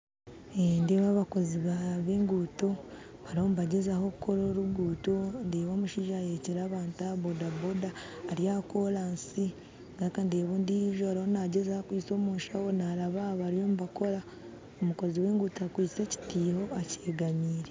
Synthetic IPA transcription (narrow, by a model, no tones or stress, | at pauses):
endeːβaβako̞ziβaβeːŋɡuːto̞ | βaɾio̞muβaɟe̞zaho̞kukʰo̞ɾo̞ːɾuɡuːto̞ndeːβoːmuʃiːʒajeceɾaːβaːntabo̞dabodaːɾjakolaːnsi | ŋɡaɾikandeːβoːndiʒoaɾahonaɟezahokwiːt͡so̞ːmuːnʃawonaɾaβaβaɾio̞muβako̞ɾa | omuko̞ziwe̞ːŋɡuːtakwiːt͡se̞ci̥tiːho̞aceːɡamiːɾe